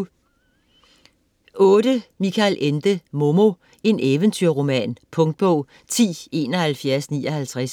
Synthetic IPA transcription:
ɔ̽ːɾ̥əmikʰælʔend̥əmo̝mo | e̝neːʋənt͡sʰyɐʁo̝mɛ̰ːnpʰɔ̽ŋd̥̚b̥ɔʊ̰ | t͡sʰḭːe̝ːnɒ̽hælfjæɐsnḭːɒ̽hælt͡sʰʁas

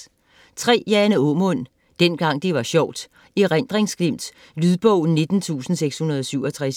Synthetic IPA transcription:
t͡sʰʁɛ̰ːjænəɔmɔn̰ | d̥en̰ɡ̥ɑ̈ŋ̰d̥e̝ʋɑ̈ɕɒʊ̰d̥ | iʁan̰d̥ʁeŋsɡ̥lem̰d̥ | lyðˠb̥ɔʊne̝d̥n̩t͡sʰṵːsn̩seɡ̥shunɐð̞ˠɒ̽syʊ̰ɒt͡sʰʁas

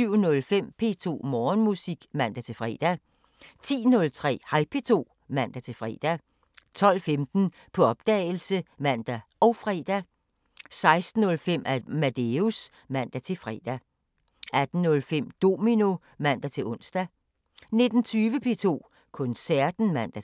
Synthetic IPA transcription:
syʊ̰nɔ̽lfem̰pʰe̝ːt͡sʰo̝̰ːmɒːnmusiɡ̥mæn̰d̥æt͡sʰe̝lfʁɛ̰ːd̥æ | t͡sʰḭːnɔ̽lt͡sʰʁɛ̰ːhɑ̈ɪpʰe̝t͡sʰo̝̰ː | mæn̰d̥æt͡sʰe̝fʁɛ̰ːd̥æ | t͡sʰɒ̽l̰femd̥n̩ | pʰɒ̽ɒ̽b̥̚d̥ɛ̰ːl̩səmæn̰d̥æʔɒ̽ʊfʁɛ̰d̥æ | sɑ̈ɪsd̥n̩ːɔ̽lfem̰ʔæmæd̥eus | mæn̰d̥æt͡sʰe̝fʁɛ̰ːd̥æ | ʔæd̥n̩nɔ̽lfem̰d̥o̝mino | mæn̰d̥æt͡sʰe̝ɔ̽nsd̥æ | ne̝d̥n̩t͡sʰyːʋəpʰe̝̰ːt͡sʰo̝̰ː | kʰɔ̽nsæɐ̰d̥n̩mæn̰d̥æ

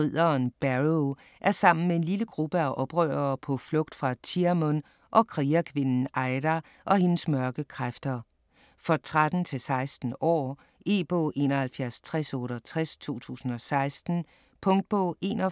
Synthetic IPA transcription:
ʁið̰ˠɐnb̥æʁo | ʔæɐsɑ̈m̰n̩mee̝nliləɡ̥ʁub̥əæʔɒ̽b̥ʁœ̰ːɐːpʰɒ̽flɔ̽ɡ̥̚d̥fʁɑ̈t͡sʰiɐmɔn | ʔɒ̽kʰʁiːækʰʋe̝nn̩ɑ̈ɪd̥æ | ʔɒ̽he̝nsmɶɐɡ̥əkʰʁafd̥ɐ | fɒ̽t͡sʰʁad̥n̩t͡sʰe̝lsɑ̈ɪsd̥n̩ɒ̰ː | e̝̰ːb̥ɔ̰ːʔe̝̰ːnɐhælfjæɐst͡sʰʁasɔːɾ̥ɐt͡sʰʁast͡sʰo̝̰ːt͡sʰṵːsn̩ɒ̽sɑ̈ɪsd̥n̩ | pʰɔ̽ŋd̥̚b̥ɔ̰ːe̝̰ːnɒ

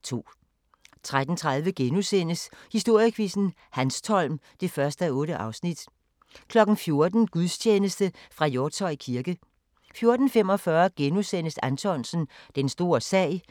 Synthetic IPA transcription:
t͡sʰo̝̰ː | t͡sʰʁad̥n̩t͡sʰʁäðˠʋəɡ̥enusen̰əshisd̥o̝ɐ̰jəkʰʋisn̩ | hænst͡sʰɒ̽l̰m | d̥e̝fɶɐsd̥əɔ̽ːɾəʔɑ̈ʊsnid̥ | kʰlɒ̽ɡ̥n̩fjo̝ɐd̥n̩ɡ̥uðˠst͡ɕʰeːnəsd̥əfʁɑ̈jɔ̥ːsʰɒ̽kʰiɐɡ̥ə | fjo̝ɐd̥n̩fem̰ɒ̽fɶɐɡ̥enusen̰əsænt͡sʰɒ̽nsn̩d̥ensd̥o̝̰ːɐsɛ̰ɪ̰

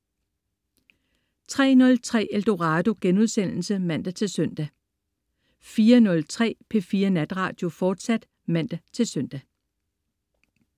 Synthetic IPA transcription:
t͡sʰʁɛ̰ːnɔ̽lt͡sʰʁɛ̰ːeld̥o̝ʁɑ̈ːd̥o̝ɡ̥enuð̞ˠsen̰l̩səmæn̰d̥æt͡sʰe̝lsœn̰d̥æ | fiːɐnɔ̽lt͡sʰʁɛ̰ːpʰe̝fiːɐnæd̥ʁɑ̈ːd̥jo̝fɒːd̥sæd̥ | mæn̰d̥æt͡sʰe̝lsœn̰d̥æ

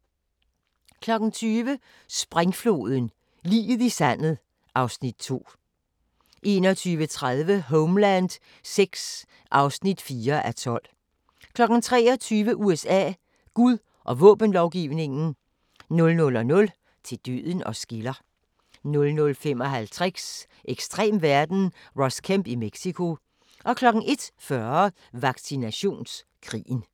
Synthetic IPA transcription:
kʰlɒ̽ɡ̥n̩t͡sʰyːʋə | sb̥ʁaŋflo̝̰ːð̞ˠən̩ | lḭːðˠisænð̩ˠ | ʔɑ̈ʊsnid̥̚t͡sʰo̝̰ː | ʔe̝̰ːnɒt͡sʰyːʋət͡sʰʁaðˠʋəɦɔʊmlænd̥ | seɡ̥s | ʔɑ̈ʊsnid̥fiːɐʔæt͡sʰɒ̽l̰ | kʰlɒ̽ɡ̥n̩t͡sʰʁɛ̰ːɒ̽t͡sʰyːʋəʔuesɛ̰ː | ɡ̥uðˠ | ʔɒ̽ʋɔ̰̽ːb̥ən̩lɒʊɡ̥iʊne̝ŋn̩ | nɔ̽lnɔ̽lɒ̽nɔ̽l | t͡sʰe̝d̥yðˠn̩ɒ̽sɡ̥ilɐ | nɔ̽lnɔ̽lfem̰ɒ̽ɦælt͡sʰʁɛ̥s | ʔeɡ̥sd̥ʁɛ̰ːmʋæɐd̥n̩ʁɒ̽skʰæmb̥imeɡ̥sikʰo̝ | ʔɒ̽kʰlɒ̽ɡ̥n̩ʔe̝d̥fɶɐɐ | ʋɑ̈ɡ̥sinæɕo̝̰ːns | kʰʁḭːn̩

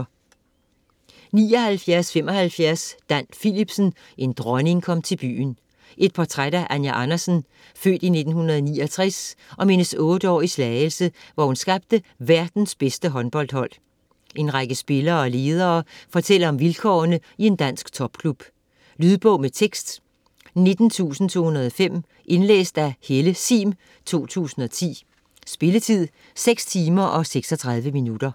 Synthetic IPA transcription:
nḭːɒ̽hælfjæɐsfem̰ɒ̽hælfjæɐsd̥æn̰filib̥sən | ʔe̝nd̥ʁɒne̝ŋkʰɒ̽m̰t͡sʰe̝lb̥y̰ːn | ʔe̝d̥̚pʰɒt͡sʰʁad̥æʔænjæʔɑnɐsən | fø̰ːd̥ine̝d̥n̩hunɐð̞ˠniːɒt͡sʰʁɛsʔɒ̽me̝nəsɔ̽ːd̥əɒ̰ːislɛːɪəl̩səʋɒhunsɡ̥ɑ̈b̥̚d̥əʋæɐd̥n̩sb̥esd̥əɦɒ̽nb̥ɒ̽l̰d̥hɒ̽l̰ | ʔe̝nʁaɡ̥əsb̥e̝lɐːɒle̝ːð̞ˠɐːfɒ̽t͡sʰel̰ɐɒ̽mʋilkʰɒːnəie̝nd̥æn̰sɡ̥t͡sʰɒ̽b̥̚kʰlub̥ | lyðˠb̥ɔ̽ʊ̰met͡sʰeɡ̥sd̥ | ne̝d̥n̩t͡sʰṵːsn̩t͡sʰo̝̰ːhunɐð̞ˠɒ̽fem̰ | ʔe̝nlḛːsd̥æheləsḭːm | t͡sʰo̝̰ːt͡sʰṵːsn̩ɒ̽t͡sʰḭː | sb̥e̝lət͡sʰið̞̰ˠ | seɡ̥st͡sʰiːmɐʔɒ̽seɡ̥sɒ̽t͡sʰʁɑ̈ð̞ˠʋəminud̥ɐ

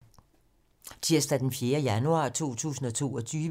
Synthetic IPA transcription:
t͡sʰiɐsd̥æd̥enfjeːɐjænuɑ̰̈ːt͡sʰo̝̰ːt͡sʰṵːsn̩ɒ̽t͡sʰo̝̰ːɒ̽t͡sʰyːʋ

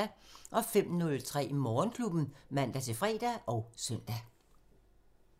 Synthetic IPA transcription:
æʔɒ̽fem̰nɔ̽lt͡sʰʁɛ̰ːimɒːnkʰlub̥n̩mæn̰d̥æt͡sʰe̝fʁɛ̰ːd̥æʔɒ̽ʊsœn̰d̥æ

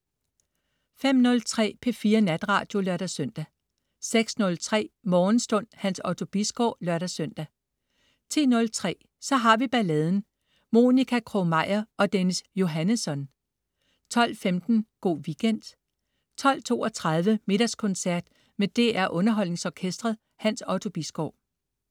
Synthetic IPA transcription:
fem̰nɔ̽lt͡sʰʁɛ̰ːpʰe̝fiːɐnæd̥ʁɑ̰̈ːd̥jo̝lɶɐɾ̥æsøn̰d̥æ | seɡ̥snɔ̽lt͡sʰʁɛ̰ːmɒːn̩sd̥ɔ̽n̰hænsɒʊt͡sʰo̝b̥isɡ̥ɒ̰ːlɶɐɾ̥ɐsøn̰d̥æ | t͡sʰi̝̰ːnɔ̽lt͡sʰʁɛ̰ː | sɒ̽ɦɑ̈ʋib̥ælɛːð̞ˠn̩ | mo̝nikʰækʰʁomɑ̈ɪ̰ɐʔɒ̽d̥enəsjo̝ɦænəsɒ̽n | t͡sʰɒ̽l̰femd̥n̩ɡ̥o̝̰ːʋiɡ̥en̰d̥ | t͡sʰɒ̽l̰t͡sʰo̝̰ːɒt͡sʰʁɑ̈ð̞ˠʋəme̝d̥ɐskʰɔ̽nsæɐd̥ | med̥e̝ʔæɐʔɔ̽nɐɦɒ̽l̰ne̝ŋsɒːkʰesd̥ʁɐðˠ | hænsɒt͡sʰo̝b̥isɡ̥ɒʊ̰

